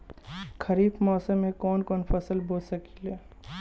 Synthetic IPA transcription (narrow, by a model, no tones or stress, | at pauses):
kɐɾiːbmɔːsəmɦẽkɔːnkɔːnfɐsəlboːsɐki̥leː